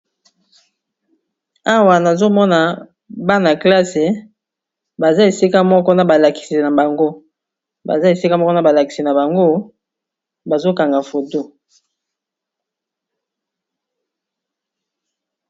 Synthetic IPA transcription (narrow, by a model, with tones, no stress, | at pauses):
a˦wa˨na˨zo˦mɔ˦na˨ | ba˦na˨kla˦se˨ | ba˨za˦e˨si˦ka˦mɔ˦kɔ˦na˨ba˨la˨ki̥˨si˨na˨ba˨ŋɡo˦ | ba̰˨za˦e˨si˦ka˦mɔ˦kɔ˦na˨ba˨la˨ki̥˨si˨na˨ba˨ŋɡo˦ | ba˨zo˦ka˨ŋɡa˨fo˨to˦